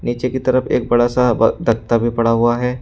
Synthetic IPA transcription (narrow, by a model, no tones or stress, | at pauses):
niːt͡ʃekit̪ɐɾəpʰḛːk̚bɐɽasabd̪ʱɐkt̪abʱipɐɽaɦʊaɦɛː